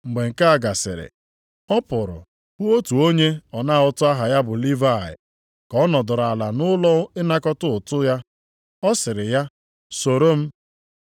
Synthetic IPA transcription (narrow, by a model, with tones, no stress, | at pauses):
ŋ͡m̩˨ɡ͡be˨ŋ̩˨ka˦a˨ɡa˨sɪ̰˨ɾɪ̰˨ | ɔ˦pʊ˨ɾʊ̰˨ | bʊ˦o˦tu˨o˦ɲe˦ɔ˨na˦˨ʊ˦tʊ˦a˦ɦa˨ja˦bʊ˨li˦va˦˨ɪ̰˨ | kɔ˦nɔ˨dʊ˨ɾa˨la˨nʊ˦lɔ˦ʊ˦ɪ˦na˦kɔ˦tʊ˦ʊ˨tʊ˦ja˦ | ɔ˦sɪ˨ɾɪ˨ja˦ | so˨ɾo˦m̩˦